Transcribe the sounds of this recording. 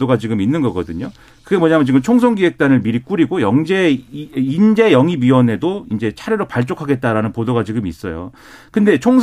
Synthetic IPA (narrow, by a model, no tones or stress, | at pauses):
oɡat͡ɕiɡɯminːɯnɡʌɡʌdɯɲo | kɯɡemwʌɲamjʌt͡ɕiɡɯmt͡ɕʰoŋsʰʌŋɡiɦe̞k̚t͈anɯɭmiɾik͈uɾiɡojʌŋd͡ʑe̞ind͡ʑe̞jʌŋiɥiʌne̞doind͡ʑe̞t͡ɕʰaɾeɾopaɭt͡ɕ͈okʰaɡe̞t̚t͈aɾanɯnpodoɡat͡ɕiɡɯmis͈ʌjo̰ | kɯnde̞t͡ɕʰoŋs